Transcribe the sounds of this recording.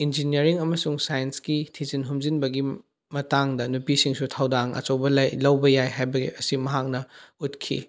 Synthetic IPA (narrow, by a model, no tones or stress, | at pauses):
ind͡ʒiniɐɾiŋɐmɐsuŋsajensɡitʰizinɦumzinbɐɡi | mɐtaŋdɐnupisiŋsutʰawdaŋɐ̰t͡ʃɐwbɐlɐjlɐwbɐjajɦajbɐɡḭɐsimɐɦak̚nɐutkʰḭ